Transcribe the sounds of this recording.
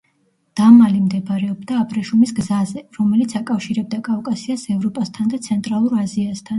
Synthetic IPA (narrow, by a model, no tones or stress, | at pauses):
d̪̥amalimd̪ɛbɾɛɔbd̪aːpʼɾɛʃumisɡzazɛɾɔmɛlit̪sʰakʼafʃiɾɛb̚d̪akʼafkʼasiasɛvɾɔpʼast̪ʰand̪at̪sʰɛnt̪ʼɾalˠuɾaziast̪ʰan